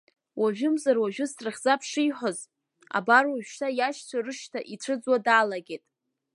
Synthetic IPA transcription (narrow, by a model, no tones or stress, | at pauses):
waʒᶣʊmzarwaʒᶣʊstʼrɨχʲzapʰʂijħʷoz | a̰barwaʒᶣʃtʰajaʃt͡sʷʰarɨʃtʰaʔiʈ͡ʂʷʰɨd͡zwadaːlaɡʲejtʼ